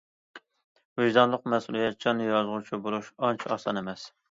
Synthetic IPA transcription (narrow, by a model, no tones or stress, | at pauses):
viʒd̪ɑnlˠəqmɛsṵlˠijɛt̪̚d͡ʒɑnːɨjɑzʁʊt͡ʃʰibolˠuʃɑnt͡ʃʰiɑsɑ̰nemɛs